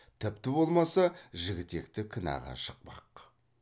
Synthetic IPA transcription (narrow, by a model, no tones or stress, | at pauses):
t̪ʰɪpt̪ɪbo̞lˠmɑsɑʒɪɡʲɪt̪e̞kt̪ɪkʲʰɪnɑ̰ʁɑ̰ʃə̥q̚pɑ̰q